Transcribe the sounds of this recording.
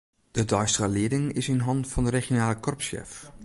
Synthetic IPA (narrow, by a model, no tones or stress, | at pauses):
d̥ədɔjstrəlɪədɪŋɪsɪnɦɑntfɔndəreχjonaːləkʰɔrpsɛ̰f